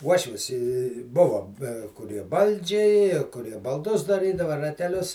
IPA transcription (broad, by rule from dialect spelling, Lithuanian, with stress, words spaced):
ˈuɔʃʲʋʲɪs ɪ ˈbʊʋoː bʲɛ kʊˈrʲiɛ ˈbɐlʲd͡ʒʲɛɪ kʊˈrʲiɛ bɐlˠˈdʊs dɐˈrʲiːdɐʋɐ rɐtʲɛˈlʲʊs